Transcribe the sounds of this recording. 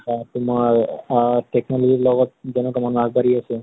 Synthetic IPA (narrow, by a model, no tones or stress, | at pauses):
kat̪umaɾʈeknɔlɔd͡ʑiɾlɔɡɔt̪̚d͡ʒɔnɔkɔmanaɡbʱaɾiase